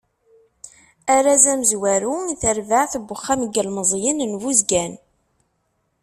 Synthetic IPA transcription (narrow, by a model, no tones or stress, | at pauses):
æɾazæməzwæɾuθəɾvaʕθəbəχːaməɡəlməzˤjənnvuzɡæn